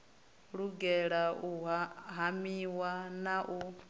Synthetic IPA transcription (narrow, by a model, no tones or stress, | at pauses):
ɺuɡɛɺauɦamiwanaʔu